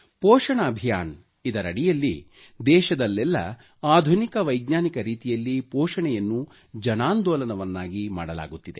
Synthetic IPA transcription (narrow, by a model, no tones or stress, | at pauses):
pɔːʂɐɳɐːbʱijaːn | id̪ɐɾɐɽijɐlːḭ | d̪ɛːʃɐd̪ɐlːɛlːɐ̰ | aːd̪ʱunikɐʋɐjɡɲaːnikɐɾiːt̪ijɐlːipɔːʂɐɳɛjɐnːu | d͡ʒɐnaːnd̪ɔːlɐnɐʋɐnːaːɡima̰ːɽɐla̰ːɡut̪ːid̪e̞̰